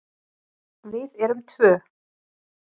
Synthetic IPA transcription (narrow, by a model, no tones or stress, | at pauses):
vɪðɛɾʏmt̪ʰvœː